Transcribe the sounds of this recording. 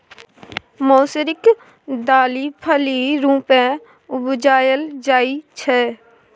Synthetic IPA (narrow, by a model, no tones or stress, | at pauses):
moːsəɾɪk | d̪aːlipʰəliɾũːpɛ̃ | ʊbd͡ʒaːjəld͡ʒaːit͡ʃʰɛː